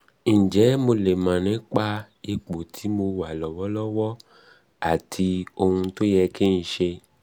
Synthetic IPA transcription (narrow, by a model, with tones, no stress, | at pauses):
n̩˨d͡ʒɛ˨˦mo˧le˨mã˨nɛ̃˨˦k͡pa˧ | e˧k͡po˨tʰi˨˦mo˧wa˨lɔ˨wɔ˨˦lɔ˦wɔ˦ | a˨tʰi˧o˧hũ˧to˦jɛ˧ki˦n̩˨ʃe˧